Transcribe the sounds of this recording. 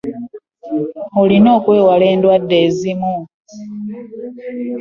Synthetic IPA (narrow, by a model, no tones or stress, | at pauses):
olino̞ːkwe̞ːwale̞ːndwadːe̞ːzimu